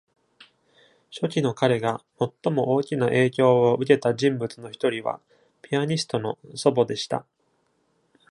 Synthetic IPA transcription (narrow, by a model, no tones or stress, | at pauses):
ɕo̞kʲino̞kaɾe̞ɡamo̞t̪ːo̞mo̞ʔoːkʲinaʔe̞ːkʲo̞ːoɯ̟ke̞t̪aʑĩmbɯ̟t͡sɨno̞çi̥t̪o̞ɾʲiβa̰ | pʲiaɲ̟isɨ̥t̪o̞no̞so̞bo̞d̪e̞ɕi̥t̪a̰